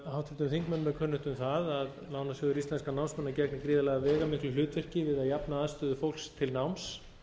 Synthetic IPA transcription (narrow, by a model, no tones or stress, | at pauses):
hawt̪ʰɪt̪ʏmθiŋkmɛnːmːɛðkʰœnːʏt̪ʏmθaðaðlaːwnasjoːðʏɾist̪lɛnskanawmsmɛnːacɛknɪkɾiːðalaːɣavɛːɣamɪhklʏlʏːt̪vɛr̥cɪvɪðaðjapnaaðst̪ʏːðʏfowl̥st̪ʰɪlnawms